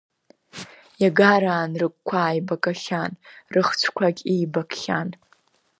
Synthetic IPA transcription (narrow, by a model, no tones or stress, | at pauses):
jaɡaɾaːnrɨk̚ʷkʷʰaːjbakʼaχʲanrɨχt͡ʃʷʰkʷʰaɡʲiːbakʰʼχʲa̰n